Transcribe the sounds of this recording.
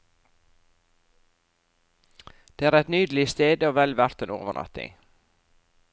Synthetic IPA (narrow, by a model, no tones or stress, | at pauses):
d̪̥eːæːɾæt̪nyːd̪l̩ɪst̪eːd̪əoːʋɛlʋæɾt̪eːno̰ːʋəɳʔɑ̰t̪ɪ̰ŋ